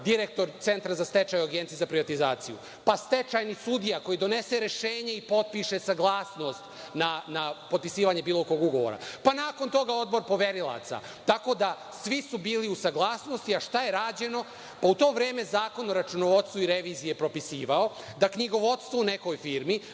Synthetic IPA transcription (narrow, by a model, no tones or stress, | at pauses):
d̪iɾek̚t̪o̞ɾt̪se̞nt̪ɾazast̪e̞t͡ʃajuaɡe̞nt̪ijezapɾiʋat̪izaːt̪sijṵ | past̪e̞t͡ʃajnisud̪ijako̞jid̪o̞ne̞se̞ɾe̞ʃe̞ːɲeipo̞t̪̚piʃe̞saɡlˠaːsno̞st̪ | nanapot̪pisiːʋaɲe̞biːlˠo̞ko̞ɡuɡo̞ʋo̰ɾa̰panaːko̞nt̪o̞ɡao̞d̪̚bo̞ɾpo̞ʋe̞ɾilˠa̰t̪sa̰ | t̪ako̞d̪a | sʋisubiːliusaɡlaːsno̞st̪iaʃt̪aje̞ɾaːd͡ʑe̞no̞ | paut̪o̞ːʋɾeːme̞zaːko̞noɾat͡ʃunoʋot̪st̪ʋoiɾeʋiːzijepɾo̞pisiːʋao̞ | d̪akɲiɡo̞ʋo̞t̪st̪ʋoune̞ko̞jfiːɾmi